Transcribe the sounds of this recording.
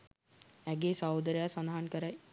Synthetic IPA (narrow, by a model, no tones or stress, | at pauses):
æɡeːsawd̪əɾejasand̪aɦankəɾaj